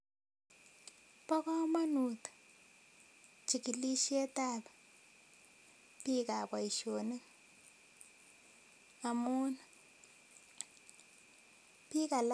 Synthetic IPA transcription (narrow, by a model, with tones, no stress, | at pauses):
pɔ˦ka˦ma˦nu˨tḁ | t͡ʃi˨ki˨li˦ʃi˦ɛ˦ta˦˨βḁ | pi˦ka˨βwa˨i˨ʃo˨nɛ˦ŋ | a˨mu˦na | pi˦ka˨l